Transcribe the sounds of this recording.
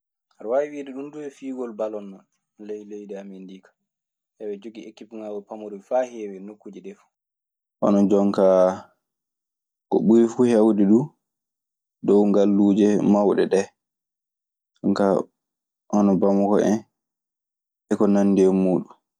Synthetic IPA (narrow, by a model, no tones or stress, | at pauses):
haɾwawiwiːɗɛɗunduɛfiːɡɔlbalɔnːan | lejlejɗɛamendikḁ | ʔɛwɛd͡ʒoɡiekːipuŋawɔpamuɾuifahɛːwɛnokːud͡ʒiɗɛfu̥ | ʔɔ̰nɔd͡ʒɔŋka | kɔ̰ɓuɾifuhɛwdɛɗu | dɔwŋɡalːuːd͡ʒɛmawɗɛɗɛ | kɔŋka | ʔɔnɔbamɔkɔɛn | ɛkɔnanːdɛmuːɗum